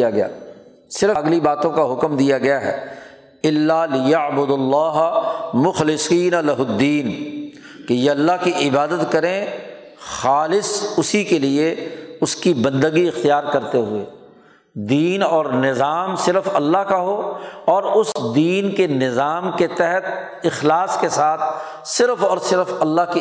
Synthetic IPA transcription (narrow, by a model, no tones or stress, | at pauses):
aɡɐja̰ː | sɪɾɡlibaːt̪õkaɦʊkmd̪ijaɡɐjaɦɛ̰ː | ɪlːaːlɪjaʕbʊd̪lːɑːɦmʊxlɪsiːnalɐɦʊd̪ːiːn | kejeɐlːaɦkiʔɪbaːd̪ət̪kɐɾẽ | xaːlɪsʊsikelieʊskibɐ̃nd̪əɡiɪxt̪ijaːɾkɐɾt̪eɦʊḛː | d̪iːnɔːɾnɪzaːmsɪɾfɐlːaɦkaɦoːɔːɾʊsd̪iːnkenɪzaːmket̪ɛɦɛt̪̚ | ɪxlaːskesaːt̪ʰ | sɪɾfɔːɾsɪɾfɐlːaɦki